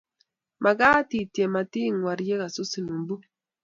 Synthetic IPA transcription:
ma˨ɡa˦ti˨tje˨ma˨ti˦ŋwa˨ɾje˦ka˨su˦si˨nu˨mbu˦

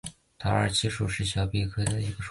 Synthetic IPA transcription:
t̪ʰɑ˧˥ə̰˞˨˩t͡ɕʰi˧˥ʂu˨˩ʂɻ̩˥˩ɕjɑ˨˧˩ʊpɛ˥˩kʰɤ˥d̪ə˨i˧˥ɡə˧ʂ

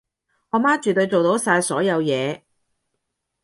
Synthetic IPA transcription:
hɔː˧maː˥t͡ʃyː˨t̪ɵ˧jt͡so˨wt̪o˨˧˥wsaː˧jsɔː˨˥jɐ˨˧wjɛː˨˧

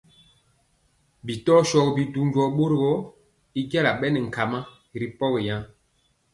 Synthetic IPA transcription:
bi˨tɔ˦ʃɔ˨kbi˨du˦ɲ˦ɟwɔ˨˦ɓo˦ɾɡɔ˦ | i˦ɡa˦la˨ɓɛ˦nɛ˨ŋ̩˨ka˨ma˦˨ | ɾi˨pɔ˦ɣi˨ja˦

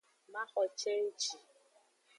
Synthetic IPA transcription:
ma˦xɔ˨t͡ʃe˦t͡ʃi˨

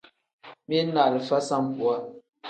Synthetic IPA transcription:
mi˦na˨lə˨fa˦sa˦m˦pwa˨˦

